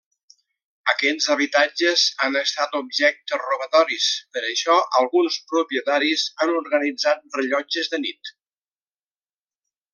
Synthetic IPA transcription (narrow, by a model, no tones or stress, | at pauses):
əkɛzəβ̞it̪ad͡ʒəzanəst̪at̪ub̚ʒɛk̚t̪əruβət̪ɔɾispəɾəʃɔʔəlˠɣunspɾupiət̪aɾizanuɾɣənid͡zat̪̚rəʎɔd͡ʒəzðənit̪